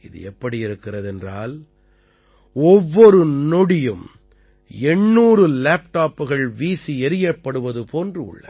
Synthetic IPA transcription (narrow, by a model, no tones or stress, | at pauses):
ɪðɯ̰ɛpːɐɽiɪɾɯkːɪrɐðɛndraːl | ɔʋːɔɾɯnɔɽɪjɯm | ɛɳːuːɾɯlaːpʈaːpːɯɣɐɭʋiːsiɛɾɪjɐpːɐɽɯʋɐðɯpʰoːndrɯʊ̰ɭːɐ̰